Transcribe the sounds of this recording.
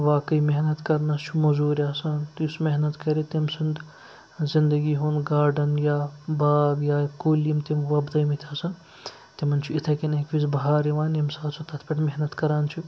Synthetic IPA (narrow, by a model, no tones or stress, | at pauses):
ʋaːkəjmeɦnɐt̪kɐɾnɐst͡ʃʰumɐzuːɾʲaːsant̪iusmeɦnɐt̪kɐɾit̪imsind̪ | zind̪ɐɡiːɦoːnɡaːɾɖɐnjabaːɡjaːkoːlimt̪imʋɐbd̪ɐjmit̪ʰʲaːsɐn | t̪imɐnt͡ʃʰuit̪ʰɐkinekʋisbɐɦaːɾiʋaːnimsaːsʰut̪ʰɐt̪ʰpʲɐʈmeɦnɐt̪kɐɾaːnt͡ʃʰu